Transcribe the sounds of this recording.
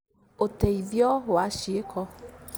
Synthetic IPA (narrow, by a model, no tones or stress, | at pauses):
ot̪eivɔwoaʃiekʰɔ